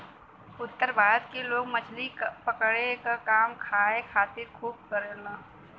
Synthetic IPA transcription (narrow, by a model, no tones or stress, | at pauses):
ʊt̪ːəɾbʱaːɾət̪keloːɡmət͡ʃʰlipəkɽekakaːmkʰaːekʰaːt̪ɪɾkʰuːb̚kəɾenaː